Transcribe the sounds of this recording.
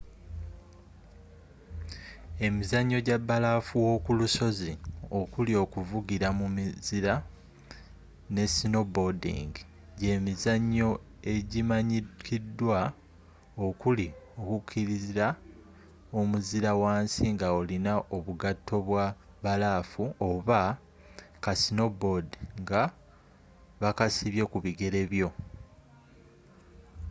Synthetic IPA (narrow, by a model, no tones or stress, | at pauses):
e̞mizaɲːo̞ɟabːalaːfuwo̞kuluso̞zio̞kulio̞kuvuɡiɾamumiziɾa | ne̞sino̞bodḭŋɡ | ɟe̞ːmizaɲːo̞ | e̞ɟimaɲikʰidːwa | o̞kulio̞kukʰːiɾiziɾa | omuziɾawaːnsiŋɡaolinaʔo̞βuɡatʰːo̞βwa | βalafuo̞βa | kasino̞bodiŋɡa | βakasiβje̞kuβiɡe̞ɾe̞βjo̞